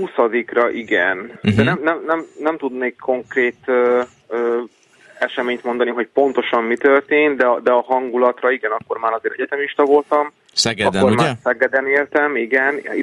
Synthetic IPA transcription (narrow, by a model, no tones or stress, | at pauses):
usɒd̪ikrɒʔiɡɛnd̪ɛnɛmnɛmnɛmnɛmt̪ud̪neːkʰːo̞ŋkreːt̪ø | øː | ɛʃɛmeːɲt̪mo̞nd̪ɒniɦo̞c̚po̞nt̪o̞ʃɒmːit̪ø̞rt̪eːnd̪ɛɒd̪ɛɒɦɒŋɡulɒt̪rɒiɡɛnɒkːo̞rmaːɾɒzeːɾɛ̰ɟɛt̪ɛmiʃt̪ɒvo̞lt̪ɒm | sɛɡɒd̪ormaːsɛɡɛd̪ɛneːrt̪ɛmiɡɛn